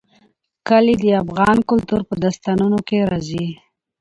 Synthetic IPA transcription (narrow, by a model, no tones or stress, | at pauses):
kəlid̪əafɣɑnkʊlt̪uɾpəd̪ast̪ɑnunokeɾɑzi